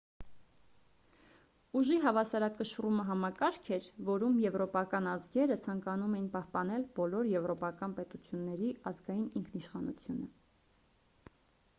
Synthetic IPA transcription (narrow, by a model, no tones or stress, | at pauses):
uʒiɦɑvɑsɑɾɑkːəʃruməɦɑmɑkɑɾkʰɛɾvɔɾumjɛvɾɔpɑkɑnɑzɡɛɾət͡sʰɑŋkɑnumɛjinpɑhpɑn̪ɛlbɔlɔɾjɛvɾɔpɑkɑnpɛt̪ut͡sʰjunːɛɾiɑzɡɑjiniŋkʰniʃχɑnut͡sʰjunə